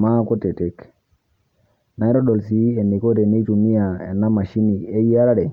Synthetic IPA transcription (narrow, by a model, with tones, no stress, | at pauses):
ma˦ko˦te˨tɛ˦k | na˨i˦ɾɔ˦ɗɔ˨lsi˨˦ɛ˨ni˨ko˦tɛ˨ne˦i˦tu˨mi˦ja˨ɛ̰˨nːa˦ma˨ʃi˦ni˨e˦i˦a˦ɾa˦ɾɛ˨